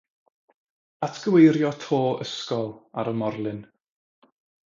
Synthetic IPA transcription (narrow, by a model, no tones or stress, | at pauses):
atʰɡ̥əwejɾjɔtʰoːəskɔlˠa̰ɾəmɔrlˠɨn